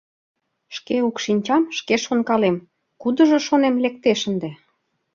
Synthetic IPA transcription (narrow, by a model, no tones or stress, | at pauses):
ʃkeukʃinʲt͡ɕɑmʃkeʃonkɑlem | kud̪ə̆ʒoʃonemlek̚t̪eʃənd̪e